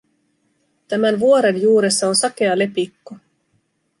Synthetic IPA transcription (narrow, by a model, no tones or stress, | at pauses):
t̪æmænʋuoɾe̞njuːɾe̞sːɑo̞nsɑke̞ɑle̞pikːo